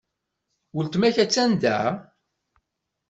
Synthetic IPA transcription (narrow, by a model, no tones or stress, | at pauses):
wəlt̪mæçæt͡sːænd̪æ̰